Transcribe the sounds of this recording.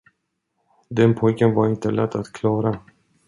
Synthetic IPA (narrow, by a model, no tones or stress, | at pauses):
d̪ɛnpʰɔjkənvaɾɪnt̪əlɛt̪ːat̪kʰlɑːɾa